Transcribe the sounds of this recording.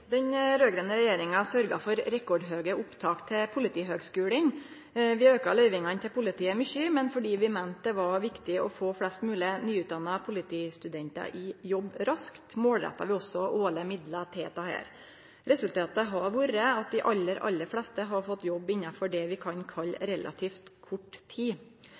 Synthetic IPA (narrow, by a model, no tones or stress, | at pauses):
d̪ɛnɾøːɡɾənəɾɛjeːɾɪŋɑsœɾɡɑfɔɾɾɛkɔɖɦøːɡəʔʊpt̪ʰɑːkt̪ʰɪlpʰʊlɪt̪ʰiːɦøːɡskʉːlən | ʋɪøːkɑlœʏʋɪŋɑnt̪ʰɪlpʰʊlɪt̪iːəmʏçːəmɛnfɔɖiːʋɪment̪̚d̪ɛʋɑɾʋɪkt̪ɪɔfoːflɛst̪mʉːlɪənyːʉt̪d̪ɑnːɑpʰʊlɪt̪ʰiːst̪ʉd̪ɛnt̪ɑ̰ʔɪjɔbːɾɑskt̪moːlɾɛ̰t̪ːɑ̰ʋɪɔsːɔʔoːləmɪd̪lɑt̪ʰeːt̪ɑhæ̰ːɾ | ɾɛsʉlt̪ʰɑːt̪əɦɑɾʋuːɾəɑt̪̚d̪ɪʔɑlːəɾʔɑ̰lːəflɛst̪əɦɑɾfɔt̪ːjɔbːɪnːɑfɔɖɛʋɪkʰɑnkʰɑlɾɛlʔɑ̰t̪ʰiːft̪kʰʊʈːt̪ʰiː